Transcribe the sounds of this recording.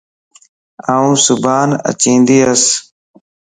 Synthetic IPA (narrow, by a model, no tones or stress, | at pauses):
aːũːsʊbaːnə̰t͡ʃĩːnd̪iːəs